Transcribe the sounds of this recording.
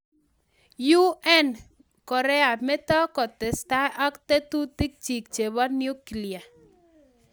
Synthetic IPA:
ju˦ʔɛ˦n | kɔ˨ɾɛ˦a˨me˦t̪ɔ˦kɔ˨t̪ɛ˨sta˦ʔa˦kt̪e˦t̪u˦t̪ɪ˦k̚t͡ʃi˨k̚t͡ʃe˨βɔ˦nju˦ki˨lia˨

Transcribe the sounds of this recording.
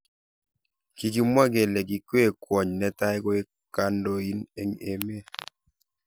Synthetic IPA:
ki˨ki˨mwa˦ɡe˨le˨ɡi˨kwe˦˨kwɔ˨ɲnɛ˦ta˦ɪ˦ko˦e˦ | ka˦ndo˦i˦nḛ˦ŋe˨me˦

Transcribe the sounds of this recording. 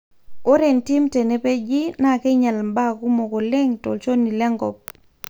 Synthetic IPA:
o˦ɾe˨nti˦mte˨ne˨pe˦d͡ʒi˦na˦˨ke˦ɲa˨lmba˦˨ku˦mo˨ko˨lɛ˦ŋto̰˨lt͡ʃo˦ni˨lɛ˦ŋɡɔ˨p̚

